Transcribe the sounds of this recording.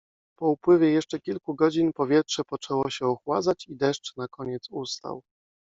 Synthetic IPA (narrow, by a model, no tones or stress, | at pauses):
pɔupwɘvʲjɛjɛʂt͡ʂɛkʲilkuɡɔd͡ʑinpɔvʲjɛtʂɛpɔt͡ʂɛwɔɕɛɔxwazat͡ɕid̪ɛʂt͡ʂnakɔɲɛt̪sust̪a̰w